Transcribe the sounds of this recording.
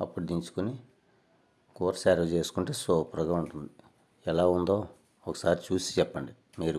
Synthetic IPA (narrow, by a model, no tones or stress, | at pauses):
ɐpːuɽud̪iɲt͡ʃu̥kuni | koːɾsaːɾɐʋt͡ʃe̞ːsu̥kuɳʈeːsoːpɾɐɡɐuɳʈund̪i | ɛlaːund̪o̞ː | ɔkɐ̥saːɾit͡ʃuːsi̥t͡ʃɛpːɐɳɖi | miːɾu